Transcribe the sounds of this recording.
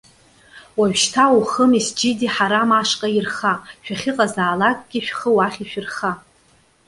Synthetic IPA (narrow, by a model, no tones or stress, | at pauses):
waɥᶣʃtʰauχəmisd͡ʒɪdiħaɾamaʂqʼajirχaʃᶣaχʲɪqʼazaːlakʼɡ̥ʲiʃᶣχəwaχʲiʃᶣɪrχa